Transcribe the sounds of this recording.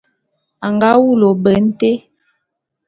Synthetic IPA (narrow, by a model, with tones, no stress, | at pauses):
a˨ŋɡa˦wu˦˨lo˨bə˨n̩˦te˦